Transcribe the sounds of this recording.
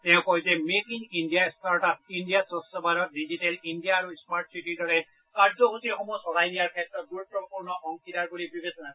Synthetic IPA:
tɛʊ̃kɔjzɛmekiŋindijastaɹʈat̚indijasɔsɔbaɾɔt̚dizitɛlindijaːɹusmaɹʈ̚sitidɔɹɛ | kaɹzɔɦusixɔmusɔɡajnijaɹkʰɛtɹɔt̚ɡuɹupːɔpuɹnɔxɔŋkitaɹkoɹibibesɔna

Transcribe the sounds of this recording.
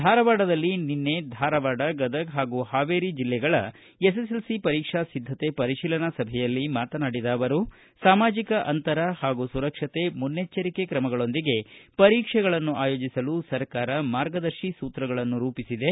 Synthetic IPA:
d̪ʱaːɾɐʋaːɖɐd̪ɐlːininːe̞d̪ʱaːɾɐʋaːɽɐɡɐd̪ɐkɦaːɡuːhaːʋeːɾid͡ʒilːɛɡɐɭɐ | es̬eselsipɐɾiːkʂasid̪ʱːɐt̪e̞pɐɾiʃiːlɐnɐsɐbʱɛjɐlːimaːt̪ɐnaːɽid̪aːʋɐɾu | saːmaːd͡ʒikɐʔɐnt̪ɐɾɐhaːɡusuɾɐkʂɐt̪e̞munːet͡ʃːɐɾike̞kɾɐmɐɡɐɭo̞nd̪iɡe̞pɐɾiːkʂɛɡɐɭɐnːuʔaːjo̞ːd͡ʒisɐlusɐɾkaːɾɐmaːɾɡɐd̪ɐɾʃisuːt̪ɾɐɡɐɭɐnːuɾuːpisid̪e̞

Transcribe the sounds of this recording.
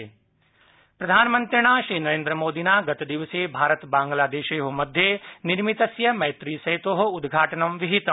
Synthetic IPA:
pɾɐd̪ʱaːnmə̃nt̪ɾɽ̃aːʃɾiːnɐɾẽːnd̪ɾəmoːd̪iːnaːɡɐt̪d̪iʋəsebʱaːɾət̪bãːŋɡlaːd̪eːʃejɦomɐd̪ʱjenɪɾmit̪ɐsjɐmɐɦjt̪ɾiːsɐɦit̪oːɦ̆ʊd̪ɡʱaːʈənɐmʋiɦit̪

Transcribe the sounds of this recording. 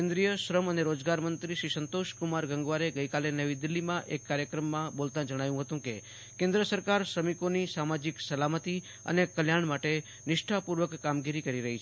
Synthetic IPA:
ẽnd̪ɾijəʃɾəməneɾod͡ʒɡaɾmənt̪ɾiʃɾisənt̪oʃkumaɾɡə̃ŋɡʋaɾeɡəjkalenəʋid̪ɪlːimãʔekːaɾjəkɾəmːãbolt̪ãd͡ʒəɽ̃ajũɦət̪ũke | kẽnd̪ɾəsəɾkaɾʃɾəmikonisamad͡ʒiksəlamət̪i | ə̰nekəljaɳmaʈe | nɪʃʈʰapuɾʋəkːamɡiɾikəɾiɾəɦit͡ʃʰ

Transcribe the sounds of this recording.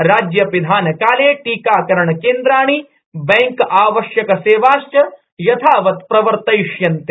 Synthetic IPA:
ɾaːd͡ʒjɐpid̪ʱaːnɐkaːleːʈiːkaːkɐɾɐɳɐkeːnd̪ɾaːɳ̃i | bɛŋkaːʋɐʃjɐkɐseːʋaːʃt͡ʃɐ | jɐt̪ʰaːʋɐt̪pɾɐʋɐɾt̪ɐjʂjɐnt̪e

